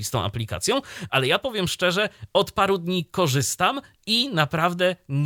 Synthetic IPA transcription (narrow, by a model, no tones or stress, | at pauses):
ist̪ɔ̃w̃ʔa̰plʲika̰t̪sʲjɔ̃w̃ʔalɛjapɔvʲjɛmʂt͡ʂɛʐɛɔt̪paɾud̪ɲikɔʐɘst̪am | inapɾavd̪ɛɲ